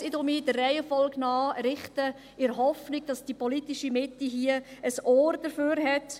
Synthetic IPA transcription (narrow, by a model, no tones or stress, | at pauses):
sidɔmiːdərːɛɪəfɔlknɑːɾɪχtə | ɪɾɦɔfnɪɡ̥̚d̥ɑsd̥ipɔlitiʃimɪtːiɦiəəsɔːɾd̥əɾføːɾɦɛt